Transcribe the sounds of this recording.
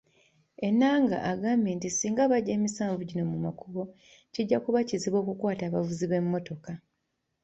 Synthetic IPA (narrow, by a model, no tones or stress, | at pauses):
e̞nːaːŋɡa̰ʔaɡaːmbe̞ːntisiːŋɡaβaɟːe̞ːmisaːɱvuɟino̞mumakʰuβo̞ | ciɟːakuβaciziβo̞ːkukwaːtaːβavuziβe̞mːo̞to̞ka